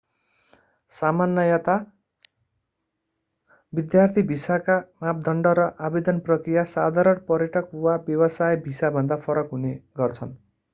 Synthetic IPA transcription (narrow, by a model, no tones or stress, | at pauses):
samanːʌjat̪a | bid̪jart̪ʰibʱisakamap̚d̪ʱʌɳɖʌɾʌʔabed̪ʌnprʌkrijasad̪ʱaɾʌnpʌɾjʌʈʌkwabjʌwʌsajbʱisabʱʌnd̪apʰʌɾʌkɦuneɡʌrt͡sʰʌn